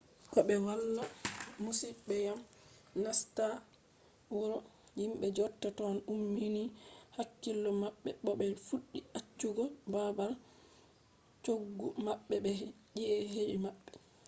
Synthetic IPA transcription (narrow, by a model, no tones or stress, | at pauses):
kɔɓɛwalːamusibɛjamnasta | uɾɔjimɓɛd͡ʒɔɾtːatɔnumːinihakːilːɔmaɓːɛɓɔɓɛfuɗːiʔat͡ʃːuɡɔbabal | t͡ʃoɡːumaɓːɛbɛ | d͡ʒiʔɛɦeɗimaɓːɛ